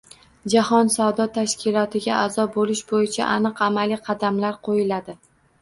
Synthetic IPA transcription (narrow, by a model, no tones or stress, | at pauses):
d͡ʒahɒnsawd̪ɒt̪ʰaʃkʲɪlˠɒt̪ʰɪɡʲaʔazɒbolɪʃbojɪt͡ʃʰa̰ʔanɨqamaliqʰɑd̪amlaɾqʰojɪlad̪ɪ